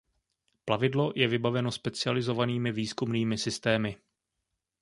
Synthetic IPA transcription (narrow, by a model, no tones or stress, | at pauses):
plavɪdlo̞jʔɛvɪbavɛno̞spɛt͡sɪalɪzo̞vaniːmɪviːskumniːmɪsɪst̪ɛːmɪ